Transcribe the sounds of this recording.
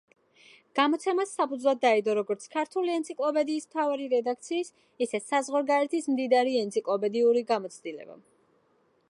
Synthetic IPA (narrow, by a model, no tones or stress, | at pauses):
ɡ̥amɔt̪sʰɛmasːapʰud̪zlˠad̪ːaid̪ɔɾɔɡɔɾt̪sʰkʰaɾt̪ʰuliɛnt̪sʰikʼlˠɔpɛd̪iːsmt̪ʰavaɾiɾɛd̪akʰt̪sʰiːs | isɛsazʁwaɾɡaɾɛt̪ʰismd̪id̪aɾiɛnt̪sʰikʼlˠɔpʼɛd̪iuɾiɡamɔt̪sʰd̪ilɛ̰ba̰